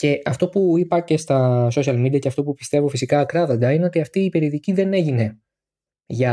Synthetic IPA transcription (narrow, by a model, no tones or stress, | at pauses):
ce̞ʔɐft̪o̞puipɐce̞st̪ɐso̞siɐlmid̪iɐceɐft̪o̞pupist̪e̞vofisikɐːkɾɐðo̞nd̪ɐine̞o̞t̪iɐft̪iːpe̞ɾioðiciðe̞ne̞ʝine̞ | ʝɐ